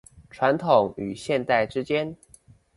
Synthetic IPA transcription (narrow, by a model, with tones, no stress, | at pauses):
ʈ͡ʂʰwa˧˥nt̪ʰʊ˨˩˦ŋy̰˨˩ɕjɛ˥˧nt̪a˥˩ɪʈ͡ʂɻ̩˥t͡ɕjɛ˥n